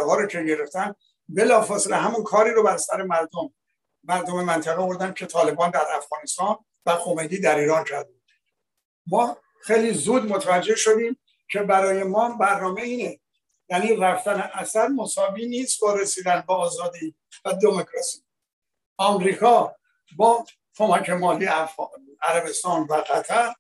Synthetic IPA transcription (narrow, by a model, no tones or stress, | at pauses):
ɦɒːɾocʰe̞ɟe̞ɾe̞ft̪æn | be̞lɒːfɒːseleɦæmunkʰɒːɾiːɾobæɾsæɾe̞mæɾd̪omː | æɾd̪ome̞mænt̪ʰæɣevoɾd̪æn̚cʰe̞t̪ʰɒːle̞bɒːnd̪æɾæfɣɒːnest̪ɒːn | væxo̞me̞jniːd̪æɾiːɾɒːnt͡ʃʰæɾd̪u | mɒː | xejliːzuːd̪mot̪ʰævæd͡ʒːe̞hʃo̞d̪iːm | cʰe̞bæɾɒːje̞mɒːmbæɾnɒːme̞iːne | jæːniːræft̪æneʔæsæɾmosɒːviːniːst̪bɒːɾesiːd̪ænd̪̚beɒːzɒːd̪iː | væd̪e̞mokʰɾɒsiː | ʔɒːmɾiːkʰɒː | bɒː | kʰo̞mækʰe̞mɒːli | æɾæbe̞st̪ɒːnvæɢæt̪ʰæɾ